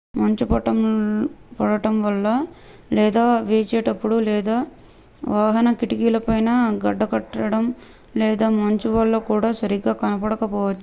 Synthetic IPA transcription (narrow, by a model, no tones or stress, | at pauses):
mɐɲt͡ʃupɐʈɐm | pɔɽɐʈɐmʋɐlːɐ | lɛːd̪aːʋeːt͡ʃɛːʈɐpːuɽulɛːd̪aː | ʋaːɦɐnɐkiʈikiːlɐpɐjnɐɡɐɖːɐkɐʈːɐɽɐm | lɛːd̪aːmɐɲt͡ʃuʋɐlːɐkuːɽaːsɐɾiɡaːkɐnɐpɐɽɐkɐpɔːʋɐt͡ʃːu